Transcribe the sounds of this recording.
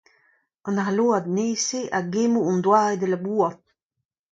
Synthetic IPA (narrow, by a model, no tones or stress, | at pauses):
ɑ̃naɦaloːad̪neːseʔaɡemuund̪waːed̪əlabuːat̚